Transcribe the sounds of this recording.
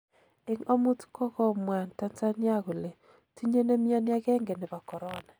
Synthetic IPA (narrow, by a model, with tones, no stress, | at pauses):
ɪ˦ŋo˦mu˦tkɔ˦kɔ˦mwa˨nta˦nt͡sa˦nja˦ɣo˨le˨ | ti˦ɲe˦ne˦mi˦ɔ˦nja˦ɡɛ˦ŋɡɛ˨nɛ˨ba˨kɔ˨ɾɔ˦na˨